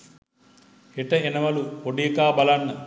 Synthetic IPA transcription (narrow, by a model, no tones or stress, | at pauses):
eʈɐenɐmɐluoɖijkaːbɐlɐnːɐ